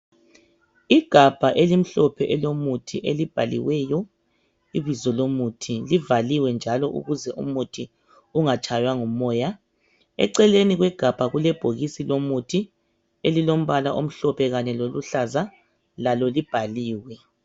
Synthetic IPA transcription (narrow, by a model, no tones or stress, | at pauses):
iɡ̥ʱab̥ʱaʔelim̩ɬɔpʰɛʔɛlomutʰiʔelib̥ʱalḭwɛjɔ | iβizɔlomutʰilivaliwɛnd͡ʒʱalɔʔṵɣuzɛʔṵmutʰi | uŋat͡ʃʼʰajwaŋɔmɔːja | ɛ̰ǀɛleniɣwɛɡ̥ʱab̥ʱaɣulɛb̥ʱoɣisilomutʰi | elilom̩βalaʔom̩ɬɔpʰɛɣaɲɛloluɬaza | lalɔlib̥ʱaliːwɛ